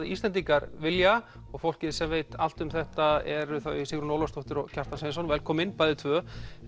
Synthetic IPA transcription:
ðɪist̪ɛnt̪̬iŋkaɾvɪlja | ɔɣfowl̥cɪðsɛmvejt̪al̥t̪ʏmθɛht̪aɛɾʏθaisɪɣɾʏnowlast̪ɔwht̪ɪɾɔɣcʰar̥t̪anseːnsɔnvɛlkʰɔːmɪnpajðɪt̪ʰvœː

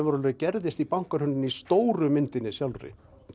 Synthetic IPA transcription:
vʏɾɔlʏcɛɾðɪst̪ipawŋ̥kaɾ̥hʏnːɪnist̪oːwɾʏmɪnt̪ɪnːɪsjalrɪ̰

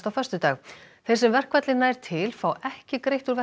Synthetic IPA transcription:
t̪awfœr̥st̪ʏt̪aːɣθejsɛmvɛr̥kvɛt̪lɪnːaːjɾ̥t̪ʰɪlfawɛhcɪkɾejht̪uɾvɛ

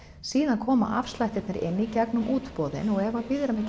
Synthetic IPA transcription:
siːðankʰɔːma̰ʔa̰fst̪lajt̪ɛt̪nɪɾʔɪ̰nːicɛknʏmʔuːt̪pɔːðɪ̰nɔɣɛvapɪðɾamɪc

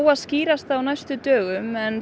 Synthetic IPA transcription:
waðsciːɾast̪awnajst̪ʏt̪œːɣʏmɛn

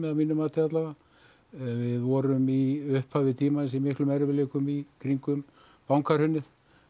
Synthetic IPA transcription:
mɛðamiːnːʏmaːt̪ɪat̪laɣa | vɪðvɔɾʏmiʏhphavɪt̪ʰiːmans̬imɪhklʏmɛɾvɪleːkʏmikʰɾiŋkʏm | pawŋkʰaɾ̥hʏnːɪð

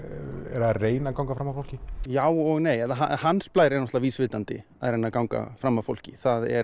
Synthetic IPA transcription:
ɛɾ̥aareːjnakawŋkafɾamafowl̥cɪjaːwɔɣneːjɛðaɦahanːsplaːjɾɛɾnɔht̪laviːsvɪːt̪ant̪ɪaðreːjnakawŋka̰fɾamːavfo̰l̥cɪθaðɛ̰ɾ

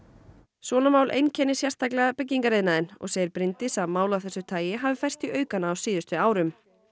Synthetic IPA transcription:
sɔːnamaːwlʔḛjncʰɛnːɪsjɛ̥st̪aklɛɣapɛc̬ːiŋkaɾeːðnaðɪnɔ̰ɣseːjɪɾpɾɪnt̪ɪsamaːwlawθɛsːʏt̪ʰaːjɪɦaːvɪfajrst̪iʔœːɥkanːaːwsiːðʏst̪ʏaːwɾʏm

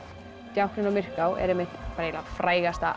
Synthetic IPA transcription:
t̪jawhkɾɪnɔmɪr̥kawʔɛ̰ɾɛmːɪht̪paɾjlafɾaːjɣast̪a

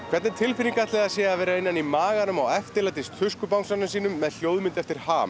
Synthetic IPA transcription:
kʰvɛɾt̪nɪnt̪ʰɪlfɪniŋkat̪lɛðaðsjɛːaðvɛːɾaɪnːanimaːɣanʏmawɛft̪ɪlat̪ɪst̪ʰʏskʏpawŋksanʏsiːnʏmːɛðl̥jowðmɪnt̪ɛft̪ɪɾ̥haːm

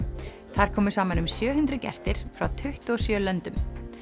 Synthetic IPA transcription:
θaɾ̥kʰɔːmʏ̥saːmanʏmsjœːɦʏnt̪ɾʏcɛ̰st̪ɪɾ̥fɾawt̪ʰʏht̪ɔsjœːlœnt̪ʏm

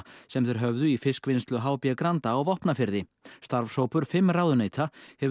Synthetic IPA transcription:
sɛmθɛɾ̥ɦœvðʏifɪskvɪnst̪lʏɦaːwpjakɾant̪aːwvɔhpnafɪɾðɪ | st̪aɾvsoːwpʏɾ̥fɪmːraːwðʏneːjt̪ʰahɛv

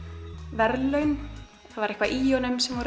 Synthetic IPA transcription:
vɛɾlœɥn | θaðvaɾɛhkvaʔiːonʏmsɛmvɔɾ

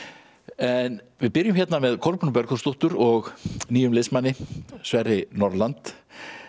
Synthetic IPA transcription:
ɛn | vɪðpɪɾjʏmçjɛt̪namɛðkʰɔɾpnʏpœɾkɔ̥st̪uht̪ʏɾɔɣniːjʏmlɪsmanːɪsvɛrːɪnɔɾlant̪

